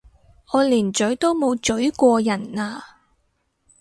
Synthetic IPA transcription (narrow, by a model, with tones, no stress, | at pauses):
ʔɔː˨˧liː˨˩nt͡ʃɵ˨˥ɥt̪o˥wmo˨˧wt͡ʃɵ˨˥ɥkʷɔː˧jɐ˨˩naː˧